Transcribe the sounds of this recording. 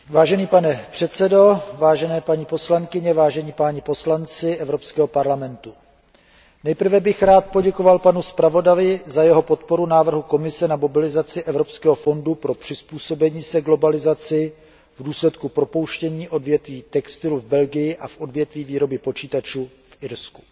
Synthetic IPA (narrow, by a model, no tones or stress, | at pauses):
vaːʒɛniːpanɛpr̝̥ɛt̪t͡sɛdo̞vaːʒɛnɛːpaɲipo̞slaŋkɪɲɛvaːʒɛɲipaːɲɪpo̞slant͡sɪʔɛvɾo̞pskɛːɦo̞paɾlamɛnt̪u | nɛjpr̩vɛbɪxɾaːt̪̚po̞ɟɛko̞valpanuspɾavo̞davɪzajɛɦo̞po̞t̪̚po̞ɾunaːvr̩ɦuko̞mɪsɛnamo̞bɪlɪzat͡sɪʔɛvɾo̞pskɛːɦofo̞ndupɾo̞pr̥ɪspuːso̞bɛɲiːsɛɡlo̞balɪzat͡sɪ | vduːslɛt̪kupɾopo̞wʃcɛɲiːʔo̞dvjɛt̪viːt̪ɛkst̪ɪluvbɛlɡɪjɪʔafʔo̞dvjɛt̪viːviːɾo̞bɪpo̞t͡ʃiːt̪at͡ʃuː | fʔɪɾsku̥